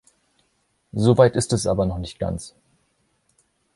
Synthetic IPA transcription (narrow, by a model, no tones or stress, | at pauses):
zoːvaɪtɪstɛsʔaːbɐnɔχnɪçt̚ɡ̥a̰nt͡s